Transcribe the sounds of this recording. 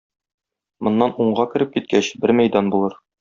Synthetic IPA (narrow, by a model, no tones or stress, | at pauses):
mŏnːɑnuɴɢɑkɘ̆ɾɘp̚kit̪̚kæɕbɘɾmæjd̪ɑnbulˠɤɾ